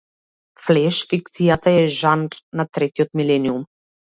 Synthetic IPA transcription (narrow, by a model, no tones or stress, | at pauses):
flɛʃfik̚t̪sijat̪aɛʒanɾnat̪ɾɛt̪iɔt̪milɛnium